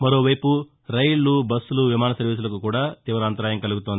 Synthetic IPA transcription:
mɐɾoːʋɐjpu | ɾɐjɭːubɐsːuluʋimaːnɐsɐɾʋiːs̬ulɐkukuːɽaːt̪iʋɐɾaːnt̪ɐɾaːjɐŋkɐluɡut̪ond̪i

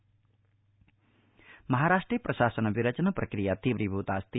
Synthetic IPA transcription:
mɐɦaɾaːʂʈɾijpɾɐʃaːsənbiɾɐt͡ʃɐnɐpɾɐkɾijat̪iʋɾibʱut̪aːst̪i

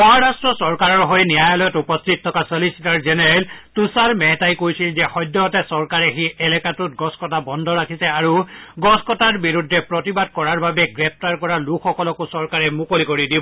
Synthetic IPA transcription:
pɔɦɔɹastɹɔsɔɹkaɹɔɹɦojnijajɔlɔjɔtupɔstʰit̚ʰːɔkasɔlisitaɹzɛnɛɹɛltusaɹmɛɦɛtajkojsilzɛxɔjdːɔɔtɛsɔɹkaɹɛxiɛlɛkatut̚ɡɔskɔtabɔndʱɔɹakʰisɛaɹuɡɔskɔtaɹbiɹudʱːɛpɹɔtibad̚kɔɹaɹbabɛɡɹɛp̚taɹkɔɹalukʰɔkɔlɔkosɔɹkaɹɛmukolikoɹidibɔ

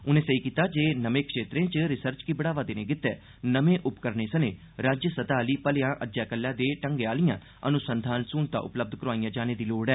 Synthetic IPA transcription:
ʊnẽːsəiːkiːt̪aːd͡ʒeːnəmẽːkʂeːt̪ɾẽːt͡ʃɾɪsəɾt͡ʃkiːbəɽaːʋaːd̪eːnẽːkɪt̪ːɛː | nəmẽːʔʊpkəɾneːsənẽː | ɾaːd͡ʒsət̪aːliːpəlejãːʔəd͡ʒaːkəlːãːd̪eːʈəŋɡeːaːlijãː | ə̰nʊsənd̪ʱaːnsuːnt̪a̰ːʔʊ̰pləb̚d̪ʱkəɾoaːiːãːd͡ʒaːneːd̪iːloːɽɛː

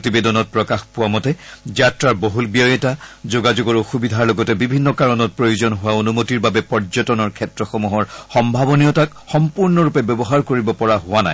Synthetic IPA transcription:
tibedɔnɔt̚pɹɔkaxpʊwamɔtɛzatɹaɹboɦulbijɔjɛtazoɡazoɡɔɹoxubidʱaɹlɔɡɔtɛbibʱinːɔkaɹɔnɔt̚pɹojozɔnɦʊwaonumotiɹbabɛpɔɹzɔtɔnɔɹkʰɛtɹɔxomuɦɔɹxɔmbʱabɔnijɔtak | xɔmpuɹnɔɹupɛbɔbɔɦaɹkoɹibɔpɔɹaɦʊana̰j

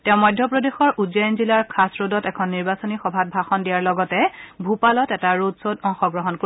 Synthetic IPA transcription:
tɛ̃ʊ̃mɔjdʱjɔpɹodexɔɹʔuzɔjɔnzilaɹkʰasɹodɔtɛkʰɔnːiɹbasɔnixɔbʱat̚bʱaxɔndijaɹlɔɡɔtɛbʱupalɔtɛtaɹodsodɔŋxɔɡɹɔɦɔnko

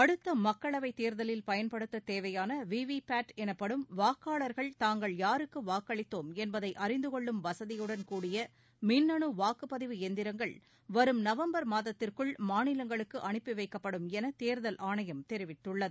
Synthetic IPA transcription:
ɐɽɯt̪ːɐmɐkːɐɭɐʋɐɪt̪eːɾðɐlɪlpɐjɐnpɐɽɯt̪ːɐt̪eːʋɐjaːnɐʋiːʋipaːʈɛnɐpːɐɽɯmʋaːkːaːɭɐɾɣɐɭt̪aːŋɡɐɭjaːɾɯkːɯʋaːkːɐɭɪt̪ːoːmɛnbɐðɐɪʔɐrɪnd̪ɯkɔɭːɯmʋɐsɐðɪjɯɽɐnkuːɽɪjɐ | mɪnːɐɳɯʋaːkɯpɐðɪʋɯɛnd̪ɪɾɐŋɡɐɭ | ʋɐɾɯmnɐʋɐmbɐɾmaːðɐt̪ːɪrkɯɭmaːnɪlɐŋɡɐɭɯkːɯʔɐɳɪpːɪʋɐɪkːɐpːɐɽɯmɛnɐt̪eːɾðɐlʔaːɳɐjɐmt̪ɛɾɪʋɪʈːɯɭːɐðɯ

